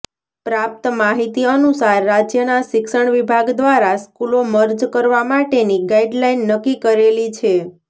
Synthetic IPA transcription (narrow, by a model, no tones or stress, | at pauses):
pɾap̚t̪maɦit̪iənusaɾːad͡ʒjənaʃɪkʃəɳʋibʱaɡd̪ʋaɾaskuloməɾd͡ʒkəɾʋamaʈeniɡaiɖlainːəkːikəɾelit͡ʃʰe